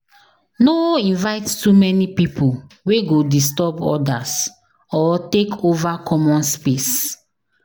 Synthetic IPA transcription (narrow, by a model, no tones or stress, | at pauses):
noĩnvaɪttumɛnipipʰuweɡodistɔbɔ̰das | ɔtekʰovakʰɔmɔ̃nspes